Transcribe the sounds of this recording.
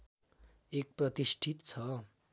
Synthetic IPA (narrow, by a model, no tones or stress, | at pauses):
ek̚prʌt̪isʈʰit̪t͡sʰʌ